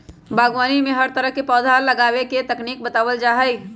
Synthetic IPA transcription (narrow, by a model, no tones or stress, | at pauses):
bʱaːɡwaːnimẽɦɐɾt̪əɾəɦkepɔːd̪ʱaːlːɐɡaːweket̪ɐkniːk̚bɐt̪aːʋəld͡ʒaːɦəi